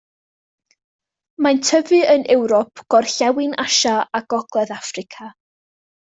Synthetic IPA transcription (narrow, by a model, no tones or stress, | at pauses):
mantʰəvɨənʔɛwɾɔpʰɡ̥ɔrɬɛwɪnʔaʃaaɡ̥ɔɡ̥lˠɛðafrɪkʰa